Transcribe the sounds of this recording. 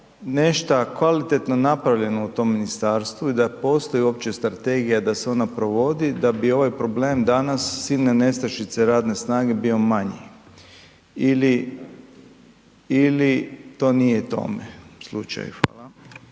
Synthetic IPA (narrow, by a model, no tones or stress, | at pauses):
ne̞ʃt̪akʋalit̪e̞t̪no̞napɾaʋʎe̞nout̪o̞ːmːinist̪aːɾst̪ʋuid̪apo̞ːst̪o̞jio̞p̚t͡ɕe̞st̪ɾat̪e̞ɡijad̪aseo̞napɾo̞ʋo̞d̪id̪abio̞ʋajpɾo̞ble̞ːmd̪anasːilnene̞st̪ɾaʃit̪seɾaːd̪ne̞snaːɡe̞bio̞maɲḭ | ili | ilit̪o̞ːnijet̪o̞̰mḛslṵt͡ʃa̰jxʋa̰ːlˠa